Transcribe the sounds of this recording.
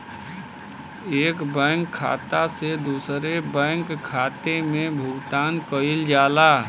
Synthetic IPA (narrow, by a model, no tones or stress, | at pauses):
eːkbɛ̃ːŋkʰːa̰ːt̪ased̪uːsɾebɛ̃ːŋkʰːaːt̪emẽbʱʊɡt̪aːnkəɪld͡ʒaːla